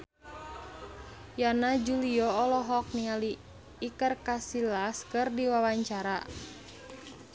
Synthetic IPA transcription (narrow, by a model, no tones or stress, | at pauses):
janad͡ʒuliɔːlɔɦɔk̚nialiː | kərkasilaskɨrdiwawaɲt͡ʃaɾa